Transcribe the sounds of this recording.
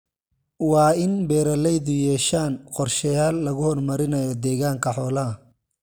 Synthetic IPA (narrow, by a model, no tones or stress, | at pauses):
wɑːɪnbɛːɾɐlɛjðʊjɛːʃaːnqɔrʃɐjaːlːɐɣʊhɔrmɐɾɪnɐjɔd̪ɛːɣaːŋkʰɐħɔːlɐɐ